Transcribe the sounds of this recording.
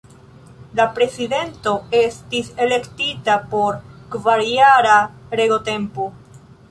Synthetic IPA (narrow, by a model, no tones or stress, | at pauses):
lapɾe̞side̞nto̞e̞stise̞le̞ktitapo̞ɾkvaɾiaɾaɾe̞ɡo̞te̞mpo